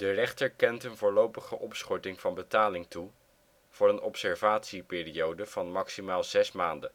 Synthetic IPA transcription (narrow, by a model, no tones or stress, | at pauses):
d̥ərɛχtəɹkɛntənvʊːɹlowpəχəʔɔpsχɔɹtɪŋv̥ɑnbətaːlɪŋtu | v̥oːɹənɔpsɛɹvaːtsipɪːriowdəv̥ɑnmɑksimaːlˠzɛsmaːndə